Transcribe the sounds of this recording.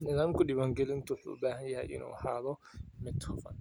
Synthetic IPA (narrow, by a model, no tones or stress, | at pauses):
nɪðaːmkʰʊɗɪβaːŋɡɛlɪnt̪ʰʊwʊħṵːbaːɦɐjaʔɪ̰nṵːha̰ːðɔmɪd̪hʊfɐ̰n